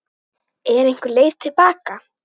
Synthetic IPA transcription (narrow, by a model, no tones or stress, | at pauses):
ɛɾejŋ̥kʏɾleːjst̪ʰɪlpaːka